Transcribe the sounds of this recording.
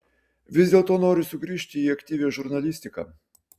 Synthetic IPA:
ʋʲɪzd̪ʲeːlˠt̪oːnoːɾʲɪsʊɡɾʲiːʃʲt̪ʲɪiɐkʲt̪ʲiːʋʲeːʒʊɾnɐlʲɪsʲt̪ʲɪkɐ̰ː

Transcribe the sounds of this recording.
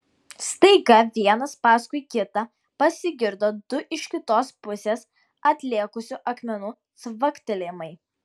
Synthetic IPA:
st̪ɐɪɡɐʋʲiɛnɐspɑːskʊɪkʲɪt̪ɐ | pɐsʲɪɡʲɪɾd̪oːd̪ʊʔɪʃʲkʲɪt̪oːspʊsʲeːs | ɐt̪ʲlʲiɛkʊsʲʊʔɐkmʲɛnuː | sʋɐkt̪ʲɪlʲeːmɐɪ

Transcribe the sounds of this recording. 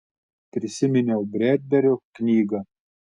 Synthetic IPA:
pʲɾʲɪsʲɪmʲɪnʲɛʊbʲɾʲæːd̪ʲbʲɛɾʲoknʲiːɡɐ

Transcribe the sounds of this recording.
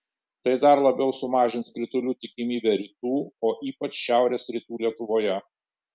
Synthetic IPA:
t̪ɐɪd̪ɐɾlˠɐbʲɛʊsʊmɑːʒʲɪntskɾʲɪt̪ʊlʲuːt̪ʲɪkʲɪmʲiːbʲɛɾʲiːt̪uːoːʔiːpɐt͡ʃʃʲæˑʊɾʲeːsɾʲit̪uːlʲiɛt̪ʊʋoːjɛ

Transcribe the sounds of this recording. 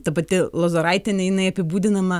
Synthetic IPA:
t̪ɐpɐt̪ʲɪlˠoːzoɾɐɪt̪ʲɛnʲɛjɪnɐɪɐpʲɪbuːd̪ʲɪnɐmɐ

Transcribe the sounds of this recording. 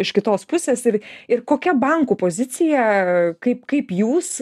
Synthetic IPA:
ɪʃkʲɪt̪oːspʊsʲeːsɪɾɪrkoːkʲɛbɐŋkuːpoːzʲɪt̪t͡s̪ʲɪjɛkɐɪpkɐɪpjuːs

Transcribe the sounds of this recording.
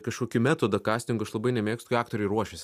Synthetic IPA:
kɐʃkoɔkʲɪmʲæːt̪oːd̪ɐkɑːsʲt̪ʲɪŋɡʊɐʃlˠɐbɐɪnʲɛmʲeːkst̪kːɑːk̚t̪oːɾʲɛɪɾuɔʃʲɛsʲ

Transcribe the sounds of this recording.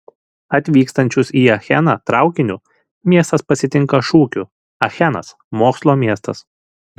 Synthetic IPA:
ɐt̪ʲʋʲiːkst̪ɐnʲt͡ʃʲʊsiːɐxʲɛnɐt̪ɾɑˑʊkʲɪnʲʊ | mʲiɛst̪ɐspɐsʲɪt̪ʲɪŋˑkɐʃuːkʲʊ | ɐxʲɛnɐ̰s | moːkslˠoːmʲiɛst̪ɐ̰s

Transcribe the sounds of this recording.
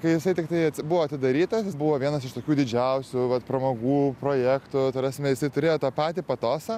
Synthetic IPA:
kɐɪjɪsɐɪt̪ʲɪkt̪ɐɪɐbʊʋoːɐt̪ʲɪd̪ɐɾʲiːt̪ɐsjbʊʋoːʋʲiɛnɐsɪʃt̪oːkʲuːd̪ʲɪd͡ʒʲɛʊsʲʊʋɐt̪pɾɐmoːɡuːpɾoːjæːkt̪ʊt̪oːɾʲæːsʲmʲɛjɪsɐɪt̪ʊɾʲeːjoːt̪ɑːpɑːt̪ʲiːpɐt̪oːsɐ

